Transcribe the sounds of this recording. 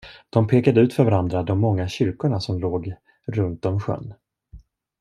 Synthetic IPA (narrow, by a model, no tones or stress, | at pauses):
d̪̥ɔmpʰeːkad̪əʉ̟ːt̪fœɾvaɾand̪ɾad̪ɔmːɔŋːaɕʏɾkʊɳasɔmloːɡ | ɾɵnt̪ɔmɧœ̰nː